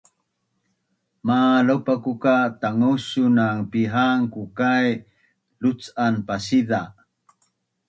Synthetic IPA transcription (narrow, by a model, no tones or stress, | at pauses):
malopakukat̪aŋuɕunaŋpiɦaŋkukaj | lut͡sanpasida